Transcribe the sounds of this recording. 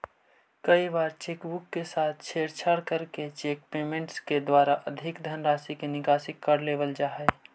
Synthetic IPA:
kəibaːɾt͡ʃeːkbʊkːesaːt̪ʰt͡ʃʰeːɾt͡ʃʰəɾkəɾket͡ʃek̚peːmẽɳʈsked̪waːɾaʔəd̪ʱɪkd̪ʱənɾaːsikenɪkaːsɪkːəɾleːʋəld͡ʒaːɦɛ

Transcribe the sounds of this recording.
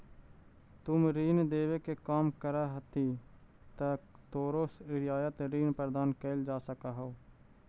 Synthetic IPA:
t̪ʊmɾiːnd̪eːʋeːkeːkaːmkəɾaːɦət̪iː | t̪aːt̪oːɾoːsɾɪjaːjət̪ɾiːnpɾəd̪aːnkeld͡ʒaːsəkaːɦooː

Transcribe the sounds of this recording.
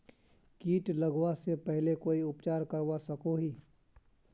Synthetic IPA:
kiːʈlɐɡwasepɛɦlekoːiʊpt͡ʃaːɾkɐɾwasɐkoɦiː

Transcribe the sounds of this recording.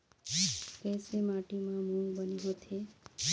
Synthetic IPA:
kɛsemaʈimãmũŋɡbəniɦot̪ʰe

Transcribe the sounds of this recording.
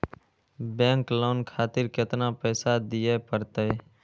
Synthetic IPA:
bɛ̃ːŋkloːnkʰaːt̪ɪɾkɪt̪naːpɛːsad̪ɪjeːpəɾt̪e

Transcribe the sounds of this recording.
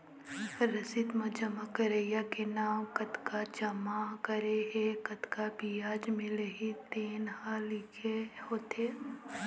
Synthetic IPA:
ɾɐsɪt̪mɐ̃d͡ʒɐmakəɾejakenaːmkɐt̪kad͡ʒɐmakɐɾeɦekɐt̪kabijaːd͡ʒmɪ̃ləɦit̪eːnhalɪkʰehoːt̪ʰeː

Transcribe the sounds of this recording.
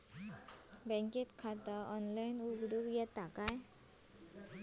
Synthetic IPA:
bɛ̃ŋkit̪kʰat̪aʔɔnlainuɡɽukjɛt̪akaj

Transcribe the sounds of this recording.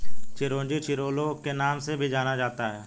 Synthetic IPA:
t͡ʃɪɾõːd͡ʒit͡ʃɪɾoːlokenaːmsebʱid͡ʒaːnad͡ʒaːt̪aɦɛː

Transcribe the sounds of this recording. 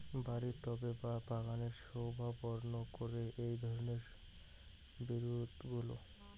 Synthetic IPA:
baɾiɾʈɔbebapaɡaneɾʃowbʱabɔɾnokoɾeʔejd̪ʱɔɾoneɾ | biɾud̪ʱɡulo̰

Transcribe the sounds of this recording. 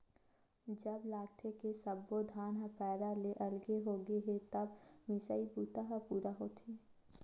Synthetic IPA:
d͡ʒɐblaːt̪ʰekesɐbːod̪ʱaːnɦapɛːɾaleʔɐlɡeɦoːɡeɦet̪ɐbmɪsəibuːt̪aɦapuːɾaɦoːt̪ʰi

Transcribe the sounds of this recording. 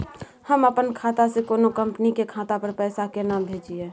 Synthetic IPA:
həməpənkʰaːt̪asekoːnokəmpənikekʰaːt̪apəɾpɛːsakenaːmbʱeːd͡ʒieː

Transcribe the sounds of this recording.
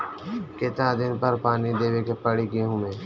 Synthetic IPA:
kɪt̪nãd̪ɪnpɐɾpaːnid̪eːwekepəɽiɡeɦʊ̃mẽː

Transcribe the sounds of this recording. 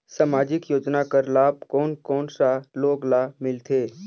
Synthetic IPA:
samaːd͡ʒɪkjoːd͡ʒnakəɾlaːb̚kɔːnkɔːnsaloːɡlaːmɪlt̪ʰeː

